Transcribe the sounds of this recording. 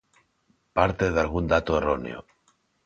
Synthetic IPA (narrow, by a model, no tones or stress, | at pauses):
paɾt̪eðalɣ̞und̪at̪oe̞ronḛo̰